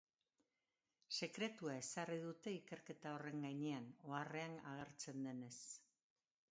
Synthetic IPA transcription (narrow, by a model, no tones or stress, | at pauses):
se̞kɾe̞t̪uae̞sariðut̪e̞ike̞ɾke̞t̪ao̞re̞ŋɡajɲe̞ano̞are̞anaɣ̞e̞ɾt͡se̞nd̪e̞ne̞s